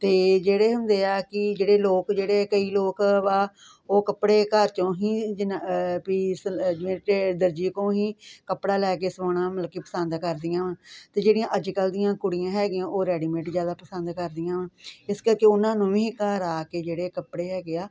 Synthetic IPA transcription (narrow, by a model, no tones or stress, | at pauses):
t̪eːd͡ʒeːɽeːɦʊnd̪eːaːkɪd͡ʒeːɽeːloːkd͡ʒeːɽeːkəiːloːkʋaː | oːkəpɽeːkəɾt͡ʃõːɦĩːd͡ʒnpiːsd͡ʒɪʋẽːʈːd̪əɾd͡ʒiːkõːɦĩːkəpɽaːlɛːkeːsəʋaːɽãːməlkːiːpəsənd̪kəɾd̪ɪjãːʋãːt̪eːd͡ʒeːɽijãːʔəd͡ʒkəld̪ɪjãːkʊɽijãːɦɛːɡɪjãːʔoːɾɛːɖiːmẽːʈzjaːd̪aːpəsə̃nd̪kəɾd̪ijãːʋãːɪskəɾkeːʊnãːnũːʋĩːkaɾaːkeːd͡ʒeːɽeːkəpɽeːɦɛːɡeːaː